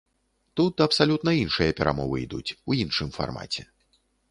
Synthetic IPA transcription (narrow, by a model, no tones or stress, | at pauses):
t̪ut̪̚d̪ɐpsalʲut̪nɐinʂɨjɐpʲɛɾʔa̰mɔvɨ̰id̪ṵt͡sʲujinʂɨmfa̰rma̰t͡sʲɛ